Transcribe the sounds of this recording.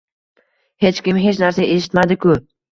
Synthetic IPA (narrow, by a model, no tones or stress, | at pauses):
het͡ʃkʲɪmɦet͡ʃnæɾsaʔeʃ̬ɪ̥t̪mad̪ɪkʊ